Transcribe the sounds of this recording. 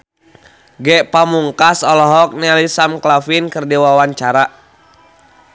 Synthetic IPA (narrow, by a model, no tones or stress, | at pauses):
ɡɛʔpamuŋkasɔlɔɦɔk̚nɛlisamklafinkərdiwawaɲt͡ʃaɾa